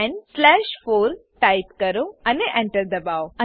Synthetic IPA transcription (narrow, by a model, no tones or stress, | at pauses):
nslɛʃfoːɾʈaipkəɾoəneʔẽɳʈəɾd̪ɐbaoə